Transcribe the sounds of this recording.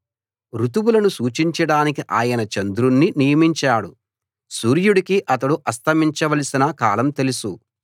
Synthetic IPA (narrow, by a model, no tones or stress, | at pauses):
ɾut̪ubulɐnusuːt͡ʃiɲt͡ʃɐɽaːnikiʔaːjɐnɐt͡ʃɐnd̪ɾunːinijɐmiɲt͡ʃaːɽu | suːɾjuɽikiʔɐt̪ɐɽuʔɐst̪ʰɐmiɲt͡ʃɐʋɐlɐsinɐkaːlɐmt̪e̞lusu